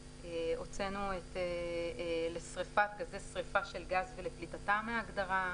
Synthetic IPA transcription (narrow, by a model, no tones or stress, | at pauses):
eo̞t͡se̞nuete | le̞sʁefatɡazesʁefaʃe̞lɡazveleplitatameaɡd̪aʁa